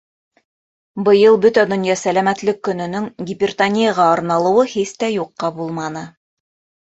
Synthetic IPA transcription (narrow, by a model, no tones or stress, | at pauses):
bɤ̆jɤlˠbɵt̪æd̪ŏnjɑsælæmæt̪lɘkːɵ̆nɵ̆nɵŋɡʲɪpʲɪrt̪anʲɪjɑʁɑɑɾnɑlˠɤ̆wɤhiθt̪æjuqːɑbulˠmɑnɤ